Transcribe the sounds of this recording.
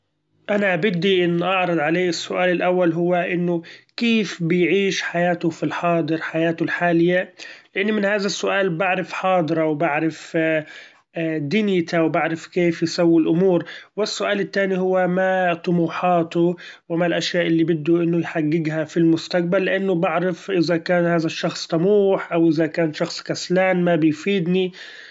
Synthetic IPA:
ʔanaʔabɪd̪ːiʔɪnːʔɑʕɾˤɑd̪ˤʕaleːʔɪsːʊʔaːlɪlʔawːalɦʊwːaʔɪnːʊkeːfbɪjʕiːʃħajaːt̪ʊfilħɑːd̪ˤɨɾħajaːt̪ʊlħaːlɪjːalɪʔɪnːmɪnhaːðasːʊʔaːlbaʕɾɪfħɑːd̪ˤɨɾɑwbaʕɾɪf | d̪injɪt̪awbaʕɾɪfkeːfjɪsawːilʔʊmuːɾwɪsːʊʔaːlɪt̪ːaːnihʊwːamat̪ˤʊmuːħɑːt̪ʊ | wɪmalʔaʃjaːʔɪlːiːbɪd̪ːʊʔɪnːʊjħaɡːɪɡhafilmʊst̪aq̚balːɪʔanːʊbaʕɾɪfʔɪzakaːnhaːðaʃːɑxsˤt̪ˤɑmuːħʔawʔɪzakaːnʃɑxsˤkaslaːnmabɪjfiːd̪ni

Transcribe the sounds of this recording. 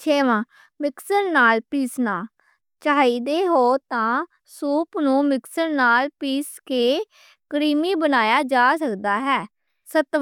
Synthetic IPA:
t͡ʃʰeːʋãː | mɪksəɾnaːlpiːsnaː | t͡ʃaːiːd̪eːɦoːt̪ãː | suːpnũːmɪksəɾnaːlpiːskeː | kɾiːmiːbənaːjaːd͡ʒaːsəkd̪aːɦɛː | sət̪

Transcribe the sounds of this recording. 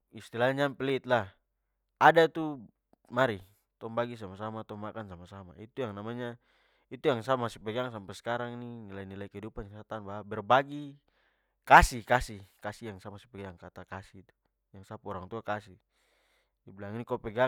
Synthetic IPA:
ist̪ilaɲampɛlit̪̚lah | adat̪u | maɾi | t̪ɔmbaɡis̬amasamat̪ɔmakansamasama̰it̪ujaŋnamaɲa | it̪ujaŋsamasipɛɡaŋsampɛskaɾaŋininilainilaikɛidupanjaŋsat̪anbaɦabɛrbaɡi | kasihkasihkasijaŋsamasɛ̥pɛɡaŋkat̪akasit̪u̥ | jaŋsapɔɾaŋt̪uakasi | diblaŋinikɔpɛɡa

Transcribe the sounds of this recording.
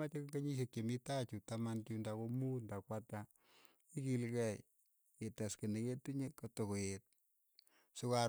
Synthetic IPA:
at͡ʃekŋɡeɲiʃ̬ekt͡ʃemitat͡ʃutamantundakomundakwata | ikilkɛ | etaskeneketuɲekotokojet̚ | suka

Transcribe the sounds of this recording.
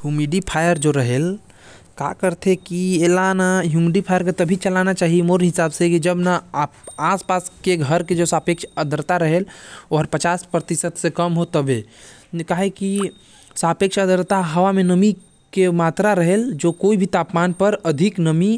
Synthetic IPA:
ɦumiɖipʰajəɾd͡ʒoɾəɦel | ka̰kəɾt̪ʰekielanaɦjumiɖipʰajəɾket̪əbʱit͡ʃəlanat͡ʃaːɦiemoɾɦɪsaːbsekid͡ʒəbnaaspaskeɡʱəɾked͡ʒosapekʃʰəd̪əɾt̪aɾəɦeloɦəɾpət͡ʃaspɾət̪isət̪sekəmɦot̪əbekaɦeki | sapekʃʰəd̪əɾt̪aɦəʋamenəmi | kemaːt̪ɾaɾəɦeld͡ʒokoibʱit̪apmanpəɾəd̪ʱiknəmi

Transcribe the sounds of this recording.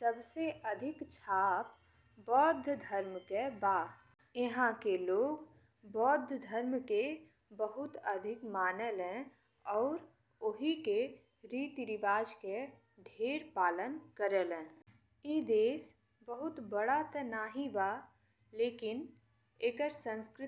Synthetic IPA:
səbseʔəd̪ʱɪkt͡ʃʰaːp | bɔːd̪ʱːd̪ʱəɾmkebaː | jeɦãkeloːɡ | bɔːd̪ʱːd̪ʱəɾmke | bəɦʊt̪əd̪ʱɪkmaːnelɛ̃ | ɔːɾ | ʊɦike | ɾiːt̪iɾɪʋaːd͡ʒke | ɖʱeːɾpaːlənkəɾelɛ̃ː | id̪eːs | bəɦʊt̪bəɽat̪ənaːɦibaː | leːkɪn | eːkəɾsə̃nskɾɪ

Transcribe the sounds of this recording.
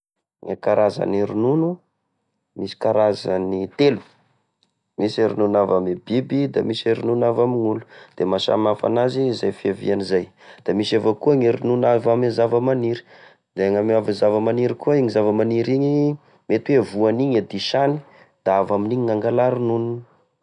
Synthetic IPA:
ŋakaɾaza̰neɾinunu | misi̥kaɾazanit̪elu̥ | miseɾinunavamebibid̪amiseɾinunavamiŋulu̥d̪̥emaʃa̰mafa̰nazizajfiavḭanizaj | d̪̥amisevakuaŋeɾinunavamizavəmaniɾi̥ | d̪eaŋamavizavamaniɾikuaiɲizavamaniɾiɲi | met̪uwevuaniɲad̪iʃani | d̪̥aavaminiɲiŋaŋɡalaɾununu

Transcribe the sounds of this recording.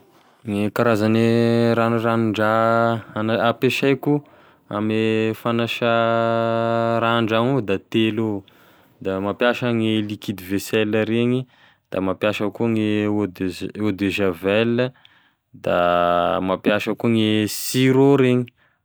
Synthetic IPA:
ŋekaɾazaneɾanuranɳɖ͡ʐaanaapeʃajku | a̰mefanaʃa | ɾaɳɖ͡ʐaŋud̪at̪elo | d̪amapjaʃaŋelikid̪ivesɛləɾeɲi | d̪̥amapjaʃəkuŋeod̪od̪eʒavɛlə | d̪a̰mapjaʃəkuŋesiɾoɾeɲi

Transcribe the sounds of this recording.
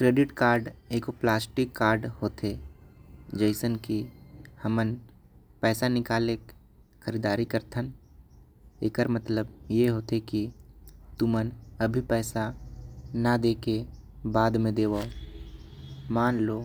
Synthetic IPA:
kɾeːɖɪʈkaːɾɖeːkoplaːsʈɪkːaːɾɖhoːt̪ʰe | d͡ʒəɪsənkihəmən | pɛːsanɪkaːleːk | xʰəɾiːd̪aːɾikəɾt̪ʰən | ḛːkəɾmət̪ləbjeɦoːt̪ekit̪umənəbʱipɛːsa | nad̪eːke | baːd̪mẽd̪eːʋao | maːnloː

